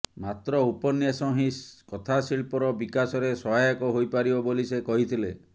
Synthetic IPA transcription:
mat̪ɾɔupɔnjasɔɦĩskɔt̪ʰasiɭpɔɾɔbikasɔɾesɔɦajɔkɔɦojpaɾibɔbolisekɔɦit̪ʰile

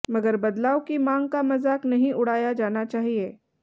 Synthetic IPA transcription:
mɐɡəɾbɐd̪laːokimãːŋɡ̚kamɐzaːknɐɦĩʔʊɽ̤aːjad͡ʒaːnat͡ʃaːɦieː

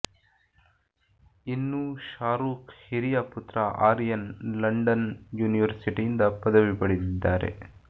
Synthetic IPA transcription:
inːuʃaːɾuːkhiɾijaːput̪ɾɐʔaːɾijɐnlɐɳɖɐnjuːniʋɐɾsiʈijind̪ɐpɐd̪ɐʋipɐɽid̪id̪ːaːɾe̞̰

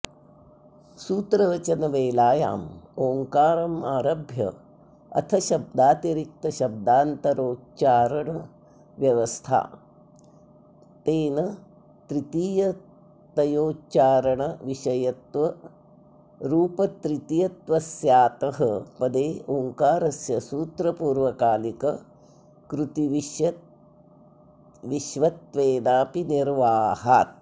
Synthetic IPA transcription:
suːt̪ɾɐʋɐt͡ʃɐnɐʋeːlaːja̰ːmoːŋkaːɾɐmaːɾɐbʱjɐ̰ | ɐ̰t̪ʰɐʃɐb̚d̪aːt̪jɐɾik̚t̪ɐʃɐb̚d̪aːnt̪ɐɾoːt͡ʃaːɾɐɳɐ | ʋjɐʋɐst̪ʰa̰ː | t̪eːnɐ | t̪ɾit̪iːjɐ | t̪ɐjoːtːt͡ʃaːɾɐɳɐʋiʃɐjɐt̪ʋɐ | ɾuːpɐt̪ɾit̪ijɐt̪ʋɐsjaːt̪ɐɦɐpɐd̪eːʔoŋkaːɾɐsjɐsuːt̪ɾɐpuːɾʋɐkaːlikɐ | kɾut̪iʋiʃjɐ | ʋiʃʋɐt̪ʋeːnaːpiniɾʋaːɦa̰ːt̪̚

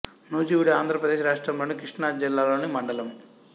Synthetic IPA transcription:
noːd͡ʒiːwuɽiaːnd̪ʱɾɐpɾɐd̪eːʃɾaːʂʈɾɐmloːnikɾiʂɳaːd͡ʒilːaːlo̞ːnimɐɳɖɐlɐm

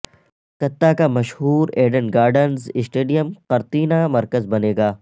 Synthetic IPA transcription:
k̪ɐt̪ːakamɐʃhuːɾeːɖənɡaːɾɖənzɪsʈeːɖijəmqɐɾt̪iːnamɐɾkəzbɐneːɡaː

